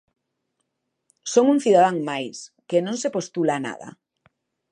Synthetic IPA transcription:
soŋuŋθiðaðaŋmajskenõŋsepost̪ulaːna̰ða̰

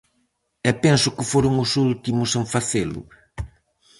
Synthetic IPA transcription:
ɛpɛnsʊkɪfoɾʊŋʊsult̪imʊseɱfaθelʊ̰

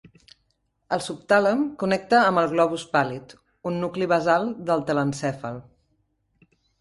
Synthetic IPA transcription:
əlˠsup̚t̪aləmkunɛk̚t̪əːmbəlˠɣlɔβuspalit̪ | unːukliβəzalˠd̪əlˠt̪ələnsɛfəlˠ

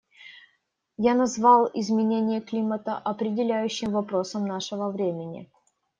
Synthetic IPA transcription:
janɐzvɑlˠɪzmʲɪnʲenʲɪjəklʲimət̪əʔɐpɾʲɪdʲɪlʲæjʉɕːɪmvɐpɾo̞səmnaʂəvəvɾʲemʲɪnʲɪ̰

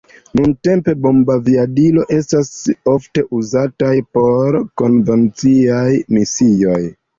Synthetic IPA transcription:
nunte̞mpe̞bo̞mbaviadilo̞ʔe̞staso̞fte̞ʔuzatajpo̞ɾko̞nve̞nt͡siajmisio̞j

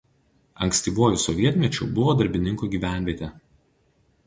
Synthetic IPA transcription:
ɐ̰ŋksʲt̪ʲiːʋuɔjʊsɔʋʲiɛt̪ʲmʲɛt͡ʃʲʊ̰ːbʊʋoːd̪ɐɾʲbʲɪnʲɪŋkuːɡʲiːʋʲæˑnʲʋʲiɛt̪ʲe

